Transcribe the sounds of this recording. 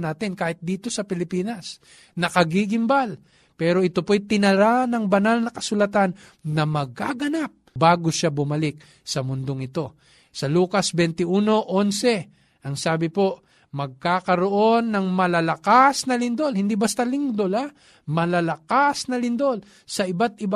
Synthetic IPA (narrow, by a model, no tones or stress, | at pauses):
naːt̪ɪnkaːhɪt̪̚d̪iːt̪o̞sɐpɪlɪpiːnɐs | nɐkɐɡiɡɪmbal | pɛːɾo̞ʔɪt̪opojt̪ɪnɐɾanɐŋbɐnalnɐkɐsʊlɐt̪anː | ɐmɐɡ̚kaɡɐnap̚baːɡoʃabʊmɐlɪk̚ | sɐmʊnd̪oŋɪt̪o̞ | sɐluːkɐsbɛnt̪ɪʔuːno̞ʔo̞nsɛ | ʔɐŋsaːbɪpo̞ʔ | mɐɡ̚kaːkɐɾoʔo̞nːɐŋmɐlalɐkasnɐlɪnd̪o̞lhɪnd̪ibɐst̪alɪnd̪ola | mɐlalɐkasnɐlɪnd̪o̞l | sɐʔɪbat̪̚ʔɪba